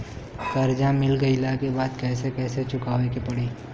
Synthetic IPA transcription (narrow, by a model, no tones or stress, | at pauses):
k̪ɐɾd͡ʒãmɪlɡɐilakebaːd̪kɛːsekɛːset͡ʃʊkaːʋekepɐɽiː